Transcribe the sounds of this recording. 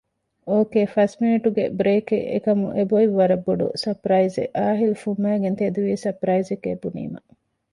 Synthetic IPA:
oːkeːfɐsmeːʈuɡḛbɾeːkḛʔḛkɐmuʔeboiʋːɐɾɐbːoɖṵsɐpɾɐizḛʔaːɦilufumːæːɡent̪ed̪uʋiːsɐpɾɐizekːḛbunḭːmɐ̰

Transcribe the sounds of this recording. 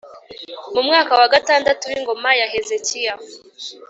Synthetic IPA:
mumŋaːkawaɡataːndatuɾiŋɡo̞majaɦezecija

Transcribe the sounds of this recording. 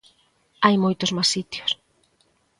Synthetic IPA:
ajmojt̪ʊzmasit̪jo̥s

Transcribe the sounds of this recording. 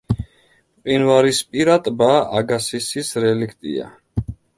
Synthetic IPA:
qʼinvaɾispʼiɾat̪ʼbaaɡasisisɾɛlikʰt̪ʼḭa̰

